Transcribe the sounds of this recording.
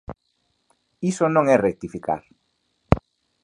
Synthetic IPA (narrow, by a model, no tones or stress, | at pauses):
isonõŋɛrek̚t̪ifika̰ɾ